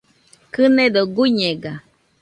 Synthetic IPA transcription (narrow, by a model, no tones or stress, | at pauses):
kɨnẽd̪oɡuɲeɡa